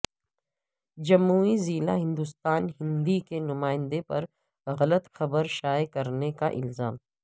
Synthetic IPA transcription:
d͡ʒɐmːuːiziːla̰ɦɪ̃nd̪ʊst̪aːnɦɪ̃nd̪ikenʊmaːɪ̃nd̪epɐɾ | ɣɐlət̪xɐbəɾʃaːjkɐɾnekaʔɪ̰lzaːm

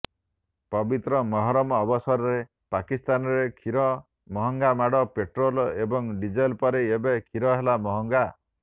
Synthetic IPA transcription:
pɔbit̪ɾɔmɔɦɔɾɔmɔːbɔsɔɾɔɾe | pakist̪anɔɾekʰiɾɔ | mɔɦɔŋɡamaɽɔpeʈɾolebɔŋɖid͡ʒɔjlpɔɾeːbekʰiɾɔɦelamɔɦɔŋɡa

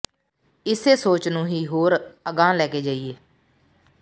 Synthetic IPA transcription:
ɪseːsoːt͡ʃnũːɦiːɦoːɾəɡãːlɛːkeːd͡ʒaːiːeː

